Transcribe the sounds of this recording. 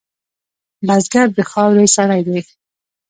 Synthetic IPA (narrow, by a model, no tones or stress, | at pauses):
lazɡaɾd̪əxɑwɾejsaɾajd̪ej